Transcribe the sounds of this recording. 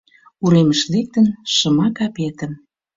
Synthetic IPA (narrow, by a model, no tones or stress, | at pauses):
uɾeməʃlek̚t̪ənʃə̆mɑkɑpet̪ə̆m